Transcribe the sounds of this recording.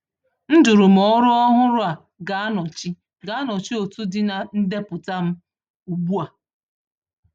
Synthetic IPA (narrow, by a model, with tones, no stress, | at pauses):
n̩˦dʊ˨ɾʊ˨m̩˨ɔ˦ɾʊ˦ɔ˦ɦʊ˦ɾʊ˦a˨ | ɡa˨a˦nɔ˨t͡ʃi˦ | ɡa˨˦a˦nɔ˨t͡ʃi˦o˨tu˦dɪ˨na˨n̩˦de˦pʊ˨ta˦m̩˦ | u˨bu˦a˨